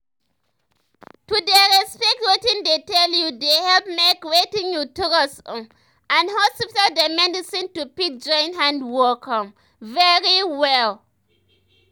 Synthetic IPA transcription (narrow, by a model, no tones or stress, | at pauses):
tudɛɹɛspɛk̚twetĩndetɛljudehɛlpmekwetĩŋjutuɾɔsɔ̃ | ãnhɔsitaldemɛdisĩntupik̚d͡ʒɔ̃j̃nɦãndwɔkɔ̃m | vɛɹiwɛl